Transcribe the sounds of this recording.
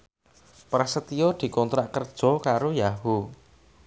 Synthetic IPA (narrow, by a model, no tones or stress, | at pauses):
pɾasət̪ijɔd̪̥i̤kɔnt̪ɾaʔkərd̥ʒ̥ɔ̤kaɾojaɦu